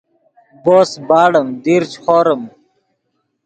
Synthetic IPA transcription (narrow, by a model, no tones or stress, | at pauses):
boːsbaːɽɐmd̪iːɾt͡ɕxoːɾəm